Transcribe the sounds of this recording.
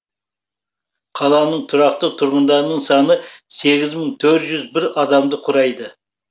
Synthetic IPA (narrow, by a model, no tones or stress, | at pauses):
qʰɑlˠɑnəɴt̪ʰʊɾɑq̚t̪ət̪ʰʊɾʁʊnd̪ɑɾnəɴsɑnəse̞ɡʲɪzməɴt̪ʰɵɾt̪ʒʏzbɪɾɑd̪ɑmd̪əqʰʊɾɑjd̪ə